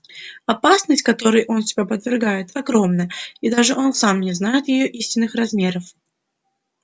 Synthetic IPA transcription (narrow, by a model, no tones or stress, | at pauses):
ɐpasnəsʲtʲkɐt̪o̞ɾɨjʔo̞nsʲɪbʲapəd̪vʲɪrɡajɪt̪ɐɡɾo̞mnəid̪aʐɨʔo̞nsamnʲɪznajɪt̪jɪjoʔisʲtʲɪnːɨxrɐzmʲeɾəf